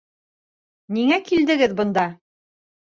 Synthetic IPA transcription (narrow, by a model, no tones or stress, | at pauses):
niŋækild̪ɘ̆ɡɘðbɤ̆nd̪ɑ